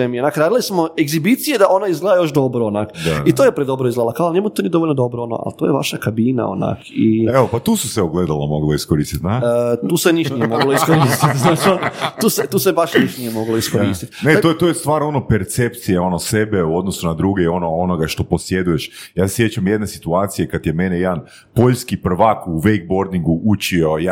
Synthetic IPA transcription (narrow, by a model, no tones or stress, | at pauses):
emionaːkɾaːd̪ilismoeɡzibit̪sijed̪aʔo̞naizɡled̪ajo̞ʃd̪o̞bɾoonakd̪ait̪oːjepɾed̪obɾoizɡled̪lakalnemut̪onid̪o̞ʋolʲnod̪o̞bɾoono̰ʔa̰lt̪ojeʋa̰ʃakabina̰o̰na̰kieʋopat̪uːsuseoɡled̪alamoɡlˠoiskoɾiːst̪it̪nat̪uːseniʃnijemoɡlˠoiskoɾist̪it̪znaːt͡ʃionot̪uːset̪uːsebaʃniʃtnijemoɡloiskoɾist̪it̪neojet̪ojest̪ʋaːɾo̞nopeɾt̪sep̚t̪sijeo̞nosebeuo̞d̪nosunad̪ɾuɡeio̞noono̞ɡaʃt̪o̞po̞sje̞d̪ujeʃjaːsje̞t͡ɕamje̞d̪ne̞si̥t̪uaːt̪sijekat̪jeme̞nejed̪an | po̞ʎskipr̩ʋakuʋejk̚bo̞ɾd̪iŋɡuʔut͡ʃioja